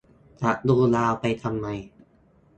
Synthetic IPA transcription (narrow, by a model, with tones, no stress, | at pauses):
t͡ɕa˨˩ʔduː˧˩laː˧wpa˧jt̪ʰa˧mːa˧j